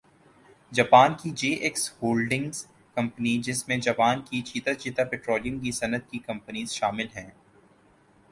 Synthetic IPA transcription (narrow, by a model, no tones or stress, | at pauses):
d͡ʒɐpaːnkid͡ʒeːʔɪkshoːlɖɪ̃ŋz | kɐ̃mpənid͡ʒɪsmẽd͡ʒɐpaːnkit͡ʃʰiːt̪at͡ʃiːt̪apɛːʈɾoːlijə̃mkisɐnət̪̚kikɐ̃mpəniːzʃaːmɪlɦɛ̃ː